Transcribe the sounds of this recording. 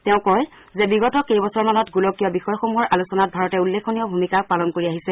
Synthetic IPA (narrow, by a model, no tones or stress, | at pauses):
tɛʊ̃kɔj | zɛbiɡɔtɔkejbɔsɔɹmanɔtɡulokijɔbixɔjɔxomuɦɔɹʔalusɔnat̚bʱaɹɔtɛulːekʰːonijɔbʱumikak̚palɔnkoɹiaɦisɛ